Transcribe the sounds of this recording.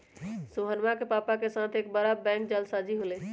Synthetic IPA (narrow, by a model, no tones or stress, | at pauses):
soɦənmakepapakesat̪ʰekbəɾabɛ̃ŋkd͡ʒəlsad͡ʒiɦolɛ